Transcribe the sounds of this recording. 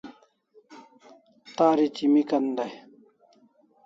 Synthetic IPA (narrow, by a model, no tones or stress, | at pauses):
t̪aːɾit͡ɕimikɐnd̪aj